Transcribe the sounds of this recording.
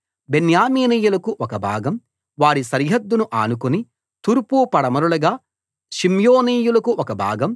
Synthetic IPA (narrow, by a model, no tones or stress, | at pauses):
benjaːmiːniːjulɐkuʔɔkɐbʱa̰ːɡɐm | ʋaːɾiʃɐɾɦɐd̪ːunuʔaːnukuni | t̪uɾpupɐɽɐmɐɾulɐɡaː | ʃimjoːniːjulɐkuʔɔkɐbʱa̰ːɡɐm